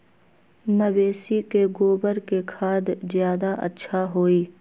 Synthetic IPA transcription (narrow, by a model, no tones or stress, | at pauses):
məʋeːsikeɡoːbəɾkekʰaːd̪zjaːd̪aʔɐ̰tːʃʰaɦoːiː